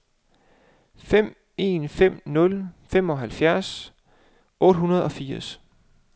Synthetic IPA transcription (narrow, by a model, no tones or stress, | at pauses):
fem̰ | e̝ːnfem̰nɔ̽lfem̰ɒ̽ɦælfjæɐs | ʔɔ̽ːɾ̥ɦunɐð̞̩ˠɒ̽fiɐ̰s